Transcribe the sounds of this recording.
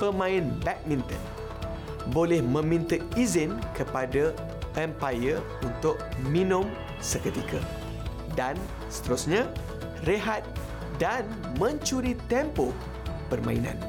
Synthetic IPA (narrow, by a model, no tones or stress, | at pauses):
pəmãɪnbɛk̚mĩnt̪ə̰n | bolɛhmə̃mĩnt̪əizɪnkəpada | ɛmpajə | unt̪ʊk̚mĩnʊ̃m | səkət̪ikʰa | dan | sə̥t̪əɾusɲã | reɦat̪̚ | dan | mə̃ɲt͡ʃuɾit̪ɛmpoh | pərmã̰ḭnã̰n